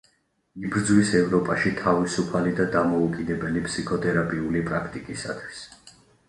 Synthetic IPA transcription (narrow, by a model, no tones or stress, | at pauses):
ibɾd̪zwisɛvɾɔpʼaʃit̪ʰavisupʰalid̪ad̪amɔukʼinɛbɛlipʰsikʰɔt̪ʼʰɛɾapʼiulipʼɾakʰt̪ʼikʼisa̰t̪ʰwi̥s